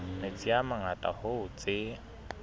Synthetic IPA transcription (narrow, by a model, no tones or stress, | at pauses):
met͡sʼiamaŋatʼa̰hʊʊt͡sʼɪ